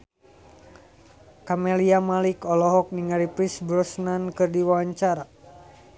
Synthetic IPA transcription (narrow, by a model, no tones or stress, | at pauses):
kameliamalikɔlɔɦɔk̚niŋaɾipɾisbɾɔsnankɨrdiwawaɲt͡ʃaɾa